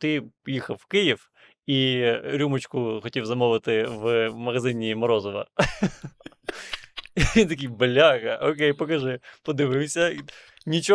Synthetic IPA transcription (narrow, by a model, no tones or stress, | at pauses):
t̪ɪjixɐfʋkɪjɪf | iɾʲumɐt͡ɕkʊxɔtʲiwzɐmɔʋɨt̪ɪvmɐɣɐzɪnʲimɐɾɔzɔʋɐ̰ | t̪ɐkʲibɐlʲaɣɐʔokʲejpɐkɐʐɪpɐd̪ɪʋɪwsʲɐ | nʲit͡ɕ